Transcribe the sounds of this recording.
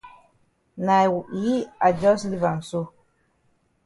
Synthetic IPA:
na˨jwu˨ʔi˦a˨d͡ʒɔ˦sli˦˨va˨nsu˦

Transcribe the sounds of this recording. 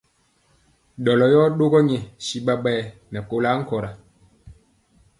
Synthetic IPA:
ɗɔ˨lɔ˨jɔ˦ɗo˦ɡɔ˦ɲɛ˨si˨ɓa˦ɓɛː˦˨nɛ˨ko˨la˨˦ŋ̩˦kɔ˨ɾa˨

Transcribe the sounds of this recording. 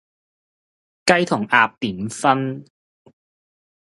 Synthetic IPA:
kɐ˥jt̪ʰʊ˨˩ŋʔaː˧p̚t̪iː˨˩˦nfɐ˥n

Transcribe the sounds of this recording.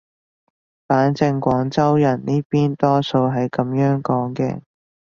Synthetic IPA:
faː˨˥nt͡sɪ˧ŋkʷɔː˨˥ŋt͡sɐ˥wjɐ˨˩nniː˥piː˥nt̪ɔː˥so˧wɦɐ˨jkɐ˨˧mjœː˨˥ŋkɔː˨˥ŋkɛ̰ː˧

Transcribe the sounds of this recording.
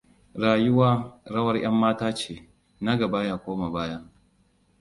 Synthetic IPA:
ɽaː˨jʊ˦waː˦ɾɐ˦wɐ˦rj̰ɐ˦mːaː˦taː˦t͡ʃeː˨ | na˦ɡɐ˨ba˦jaː˦kʷoː˦ma˨baː˦ja˦

